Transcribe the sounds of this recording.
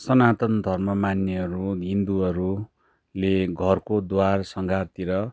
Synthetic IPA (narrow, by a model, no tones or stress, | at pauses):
sʌnat̪ʌnd̪ʱʌrmʌmanjʌʌɾuɦind̪uʌɾu | leɡʱʌrkod̪warsʌŋɡʱart̪iɾʌ